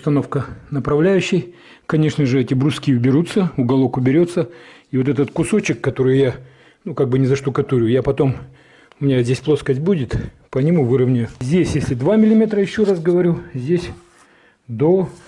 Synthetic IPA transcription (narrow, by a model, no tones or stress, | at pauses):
ʊst̪ɐno̞fkənəpɾɐvlʲæjʉɕːɪj | kɐnʲe̞ʂnəʐɨɛtʲɪbɾʊskʲibʲɪɾut̪səʊɡɐlˠokʊbʲɪɾʲo̞t̪sːəivo̞t̪̬ɛt̪ət̪kʊso̞t͡ɕɪkːɐt̪o̞ɾɨjja | nukaɡ̚bɨnʲɪzɐʂt̪ʊkɐt̪uɾʲʊjapɐt̪o̞m | ʊmʲɪnʲazʲdʲesʲplˠo̞skəsʲt̚ʲbudʲɪt̪ | pənʲɪmuvɨɾəvnʲɪjʊzʲdʲesʲjesʲlʲɪd̪vamʲɪlʲɪmʲe̞t̪ɾəjɪɕːo̞rasɡəvɐɾʲuzʲdʲesʲ | d̪o